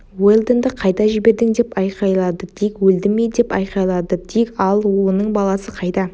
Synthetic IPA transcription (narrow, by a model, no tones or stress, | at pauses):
welˠd̪end̪əqʰɑjd̪ɑʒɪbe̞ɾd̪ɪŋd̪e̞pɑjqɑjlˠɑd̪ət̪ʰekʲwɵld̪ɪmed̪e̞pɑ̰jqɑjlˠɑd̪ət̪ʰikʲɑlˠwo̞nəɴbɑlˠɑsəqʰɑjt̪ɑ